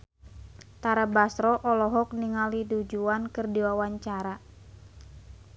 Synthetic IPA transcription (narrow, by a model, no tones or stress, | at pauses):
t̪aɾabasɾɔʔɔlɔɦɔk̚niŋalidud͡ʒuankɨrdiwawaɲt͡ʃaɾa